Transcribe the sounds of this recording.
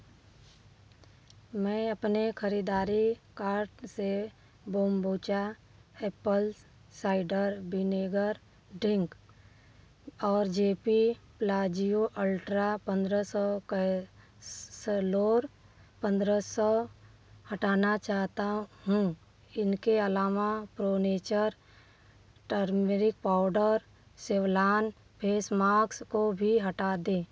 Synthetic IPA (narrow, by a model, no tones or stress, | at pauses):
mɛ̃ːəpnekʰəɾiːd̪aːɾikaːɾʈse | boːmboːt͡ʃaeːpəl | saːɪɖəɾbineːɡəɾ | ɖɪ̃ŋk | ɔːɾd͡ʒeːpi | plaːd͡ʒijoʔəlʈɾapə̃nd̪ɾəsɔk | sloːɾ | pə̃nd̪ɾəsɔ | hɐʈaːnat͡ʃaːɦt̪aɦũ | ɪnkeəlaːmapɾoːneːt͡ʃəɾ | ʈəɾmeɾɪk̚paːʊɖəɾ | sewlaːn | pʰeːsmaːkskobʱiɦəʈad̪ẽː